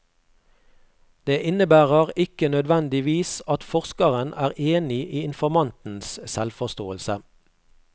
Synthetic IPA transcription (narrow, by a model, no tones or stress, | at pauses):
d̪̥eːʔɪnəbæːʁəʁɪkənœd̪ʋɛnd̪ɪʋiːsɑt̪fɔʁskəʁənʔæːʁeːnɪʔiːɪnfɔmɑnt̪n̩ssɛlfɔʁst̪oːəlsə